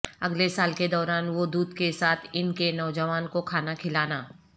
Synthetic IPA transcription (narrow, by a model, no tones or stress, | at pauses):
ɐɡlesaːlked̪ɔːɾaːnʋod̪uːd̪kesaːt̪ʰɪnkenɔːd͡ʒəʋaːnkokʰaːnakʰɪlaːnaː